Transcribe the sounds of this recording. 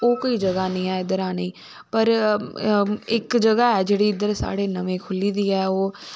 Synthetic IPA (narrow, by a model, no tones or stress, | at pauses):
oːkoːiːd͡ʒəɡaːnĩːaːɪd̪əɾaːneĩː | pəɾ | ɪkd͡ʒəɡaːɛːd͡ʒeːɽiːɪd̪əɾsa̰ːɽeːnəʋẽːkʰʊliːd̪iːɛːoː